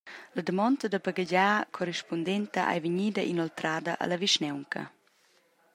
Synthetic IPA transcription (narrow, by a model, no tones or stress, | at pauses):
lad̪əmɔntɐd̪əbaɡaɟaːkʰɔɾɛʃpɔndɛnt̪ɐʔa̰jviɲiːdɐʔinɔlt̪ɾaːdɐʔa̰lɐviʃnɛwŋkʰɐ̰